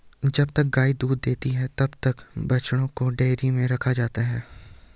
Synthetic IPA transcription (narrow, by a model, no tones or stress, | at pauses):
d͡ʒɐbt̪ɐk̚ɡaːid̪uːd̪ːeːt̪iɦɛt̪ɐbt̪ɐkbɐt͡ʃɽ̃õkoɖeːɾimẽɾɐkʰad͡ʒaːt̪aɦɛː